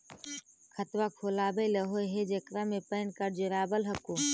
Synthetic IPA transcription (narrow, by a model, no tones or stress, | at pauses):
kʰət̪ʋaːkʰoːlaːbeləɦoːjɦeːd͡ʒekɾãːmẽpəːnkəɾd͡ʒɪɾaːbəlɦəkoː